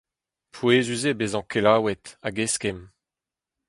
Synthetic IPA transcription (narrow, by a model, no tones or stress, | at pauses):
pʰweːzyzebezɑ̃kelaːwɛt̪aɡeskɛm